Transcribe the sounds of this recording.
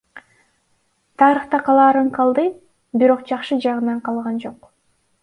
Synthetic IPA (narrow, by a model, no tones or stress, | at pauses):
t̪ʰɑːɾɯχt̪ɑqʰɑlˠɑːɾɯɴqʰɑlˠd̪ɯ | biɾo̞qd͡ʒɑqʃɯd͡ʒɑʁɯnɑɴqʰɑlˠʁɑnd͡ʒo̞q